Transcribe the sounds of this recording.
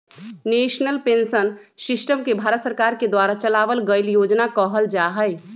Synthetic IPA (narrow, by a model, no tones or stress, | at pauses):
neːʃnəlpensən | sɪsʈəmkebʱaːɾət̪səɾkaːɾked̪waːɾat͡ʃəlaːʋəlɡəɪljoːd͡ʒnakəɦəld͡ʒaɦəɪ